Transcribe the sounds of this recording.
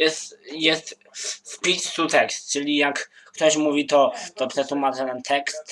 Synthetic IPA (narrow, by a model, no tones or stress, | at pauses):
jɛst̪jɛst̪ | spʲit͡ʃsut̪ɛkst̪t͡ʂɘlʲijakː | t̪ɔɕmuvʲit̪ɔt̪ɔpʂɛsumatɛnɛnt̪ʰɛkst̪